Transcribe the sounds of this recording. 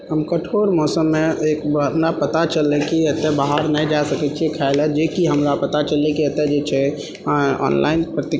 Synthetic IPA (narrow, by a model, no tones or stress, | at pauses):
ɦəmkəʈʰoɽmɔsəmːeekəpnapət̪at͡ʃəlːɛkiət̪ːɛbaɦəɾnəjd͡ʒasəkɛt͡ʃʰiekʰaɪlɛd͡ʒekiɦəmɾapət̪at͡ʃəlːɛkiət̪ːɛd͡ʒet͡ʃʰɛ | ɔ̰nla̰ɪnpɾət̪i